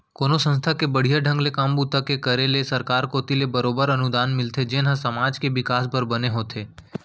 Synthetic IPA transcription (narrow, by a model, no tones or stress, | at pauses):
konosə̃nst̪ʰakebəɽ̤ijaɖʱə̃ŋɡlekambut̪əkekəɾelesəɾkaɾkot̪ilebəɾobəɾənud̪anmɪlt̪ʰed͡ʒenãsəmad͡ʒkeʋɪkasbəɾbəneɦot̪ʰe